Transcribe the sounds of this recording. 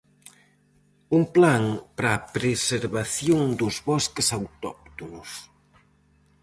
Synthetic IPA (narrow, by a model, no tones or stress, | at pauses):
uŋplaŋpɾaːpɾeseɾβaθjoŋd̪ʊzβɔskesawt̪ɔk̚t̪onʊs